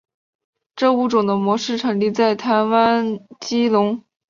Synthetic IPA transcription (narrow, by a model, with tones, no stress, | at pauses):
ʈ͡ʂɤ˥˧u˧˥˩ʈ͡ʂʊ˨˩ŋd̪ə˦mwɔ˧˥ʂɻ̩˥˩ʈ͡ʂʰɤ˧˥ŋli˥˧t͡sa˥˩ɪt̪ʰa˧˥nwa˥nt͡ɕi˥lʊ˧˥ŋ